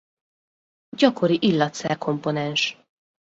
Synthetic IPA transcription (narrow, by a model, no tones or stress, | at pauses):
ɟɒko̞ɾiʔilːɒt̪sɛ̰rkʰo̞mpo̞nɛnʃ